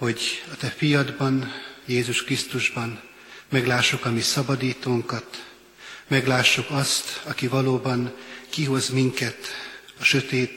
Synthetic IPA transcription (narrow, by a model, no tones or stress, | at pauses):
ho̞ɟɒt̪ɛfijɒd̪bɒnjeːzuʃkrist̪uʒbɒn | mɛɡlaːʃːokɒmisɒbɒd̪iːt̪oːŋkɒt̪ | mɛɡlaːʃːokɒst̪ɒkivɒloːbɒnkiɦo̞zmiŋkɛt̪ɒʃø̞t̪eːt̪